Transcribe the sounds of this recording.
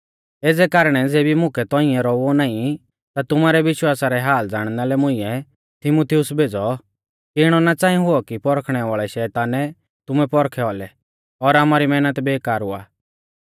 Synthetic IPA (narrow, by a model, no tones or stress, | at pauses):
eːd͡zɛkaːɾɽ̃ɛd͡zeːbimʊ̃kɛt̪ɔɪ̃jɛɾɔonaːĩ | t̪at̪ʊmaɾɛʋɪʃwaːsaɾɛɦaːld͡zaːɽ̃nalɛmʊ̃ɪ̃jɛ | t̪ʰɪmuːt̪ʰijʊsbʱeːd͡zɔ | kiɪɽ̃ɔnat͡sãːĩɦʊɔkipɔɾkʰɽ̃ɛʋaːɭɛʃɛːt̪aːnɛ | t̪ʊmɛpɔɾkʰɛɔlɛ | ɔɾaːmaɾimɛːnət̪beːkaːɾʊa̰ː